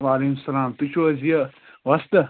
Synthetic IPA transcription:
ʋaːleɦimsɐlaːmt̪ut͡ʃʰoɐzijɐ | ʋɐst̪ɐ

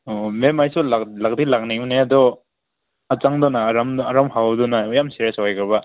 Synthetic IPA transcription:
ɔmemajsulalak̚dilakniŋunead̪ɔ | ɐt͡ʃaŋdɔnaɾamːɾamhawdɔnajamseɾesɔjkɯɾba

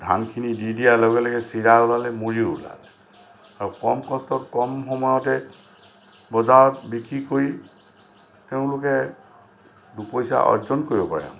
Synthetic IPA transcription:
dʱa̰nkʰinididijalɔɡɛlɔɡɛsiɹaulalɛmuɹiula̰lɛ | aɹukɔmkɔstɔtkɔmxɔmɔjɔtɛ | bɔzaɹɔtbikɹikoɹi | teʊ̃lʊkɛ | dupojsa̰ʔɔ̰zɔnkoɹibɔpa̰ja̰m

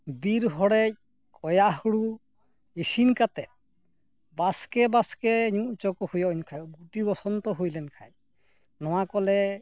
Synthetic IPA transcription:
biɾɦɔɽɛc̚ | kʰɔjaɦuɽu | esinkat̪ɛ | baskɛbaskɛɲuʔt͡ʃɔkɔhujɔɲkʰajɔɡuʈibɔsɔnt̪ɔɦujlɛnkʰa̰j | nɔ̃w̃akɔlɛ

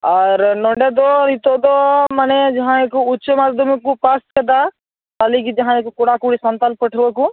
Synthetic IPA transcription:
aɾnɔ̃ɳɖed̪ɔnit̪od̪ɔmanɛd͡ʒɐɦãekuʊt͡ʃːmaːzd̪əmkupast̪kəd̪a | t̪aːlikid͡ʒɐɦãekokʊɽakuɽisənt̪alpəʈʰɾokũ

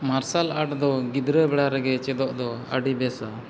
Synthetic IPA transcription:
maɾsalaʈd̪ɔɡid̪ɾəjbɛɽaɾɛɡɛt͡ʃɛd̪ɔʔd̪ɔəɖibɛsa

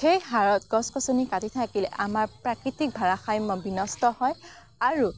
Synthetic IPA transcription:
xejɦaɹɔtɡɔskɔsonikatitʰakilɛ̰ʔamaɹpɹakɹitik̚bʱaɹaxajmɔbinɔstɔhɔj | aɹu

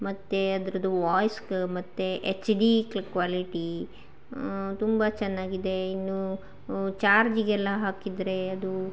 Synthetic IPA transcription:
mɐt̪ːeɐd̪ɐɾɐd̪uʋaːjskmɐt̪ːeʔet͡ʃɖiklkʋaːliʈi | t̪umbɐt͡ʃɛnːaːɡid̪e̞inːu | t͡ʃaːɾd͡ʒiɡɛlːɐɦaːkid̪ɾe̞ɐd̪u

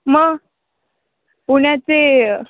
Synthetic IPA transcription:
məɡ | puɳjat͡se

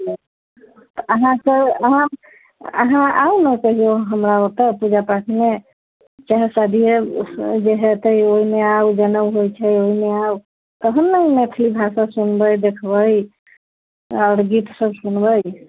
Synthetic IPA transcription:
t̪ɔəɦãsəəɦã | ə̰ɦãa̰unəkəɦioɦəmɾaot̪əpud͡ʒapaʈʰime | t͡ʃaɦsad̪ʱied͡ʒeɦet̪əjoimeawd͡ʒənəbɦojt͡ʃʰɛoimeau | t̪əɦənːəimet̪ʰlibʱasasunbəjd̪ekʰbəj | əɽɡit̪səbsunbəj

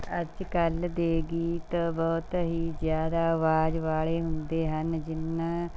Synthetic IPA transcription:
əd͡ʒkəld̪eːɡiːt̪əbɔːt̪ɦiːzjaːd̪aːəʋaːd͡ʒʋaːɭeːɦʊnd̪eːɦənd͡ʒɪnːãː

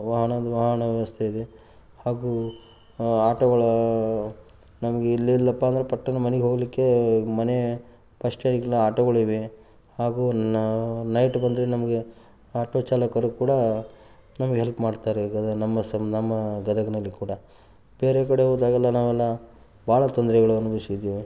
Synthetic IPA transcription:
ʋɐɦɐɳɐd̪ɐʋɐɦɐɳɐʋjɐʋɐst̪ʰeid̪e | haːɡu | aːʈɐɡɐɭɐ | nɐmɐɡeilːiilːɐpːaːnd̪ɐɾepɐʈːɐnɐmɐneɡeɦo̞ːɡɐlikːe̞mɐne | pɐʂʈenɡilːɐaːʈɐɡɐɭiʋe | haːɡu | nɐjʈbɐnd̪ɐɾenɐmɐɡe | aːʈoːt͡ʃaːlɐkɐɾukuːɽɐ | nɐmɐɡeɦelpmaːɖt̪aːɾeɡɐnɐmːɐsɐnɐmːɐɡɐd̪ɐɡɐnɐlːikuːɽɐ | beːɾekɐɽe̞ɦoːd̪aːɡɛlːɐnaːʋɛlːɐ | bʱaːɭɐt̪ɔnd̪ɾɛɡɐɭuɐnubɐsid̪iːʋi

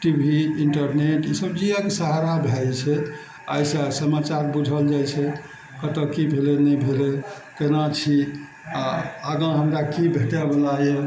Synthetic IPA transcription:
ʈibʱiiɳʈəɾneʈisəb̚d͡ʒiəksəɦaɾabʱet͡ʃʰɛ | a̰jsəsəmat͡ʃaɾbud͡ʒʱəld͡ʒajt͡ʃʰɛ | kət̪əkibʱelenəjbʱele | kenat͡ʃʰi | aəɡə̃ɦəmɾakibʱeʈɛbelaje

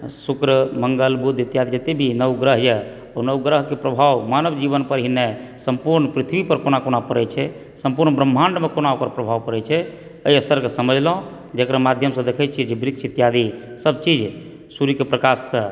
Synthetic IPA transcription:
sukɾəməŋɡəlbud̪it̪jad̪id͡ʒət̪ebʱinəwɡɾəɦjɛ | onəwɡɾəɦkepɾəbʱawmanəbd͡ʒiβənpəɾɦinːesəmpuɾnpɾit̪ʰbipəɾkonakonapəɾɛt͡ʃʰɛ | səmpuɾnbɾəm̤ːaɳɖmekonaokəɾpɾəbʱawpəɾɛt͡ʃʰɛ | əjəst̪ʰəɾkesəməd͡ʒʱləɦõ | d͡ʒəkɾamad̪ʱjəmsə̃d̪ekʰɛt͡ʃʰiɛd͡ʒebɾiksʰit̪jad̪isəb̚t͡ʃid͡ʒ | suɾikepɾəkasːə̃

